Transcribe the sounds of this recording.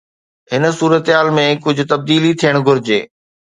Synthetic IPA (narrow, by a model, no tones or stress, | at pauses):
ɦɪn̆suːɾət̪ɦaːlmẽkʊd͡ʑʱʊ̆t̪ɐb̚d̪iːlit̪ʰijəɽ̃ɡʱʊɾɪd͡ʑḛː